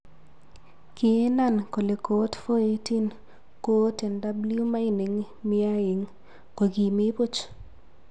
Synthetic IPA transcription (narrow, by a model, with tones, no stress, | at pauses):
ki˨e˦na˦˨nko˨le˨ko˦tfo˦e˦ti˦n | ko˦tɛ˨nda˦blju˦ma˦i˦ni˨ŋ | mɪ˦a˦e˨ŋ | ko˨ɡi˨mɪ˦po˦t͡ʃ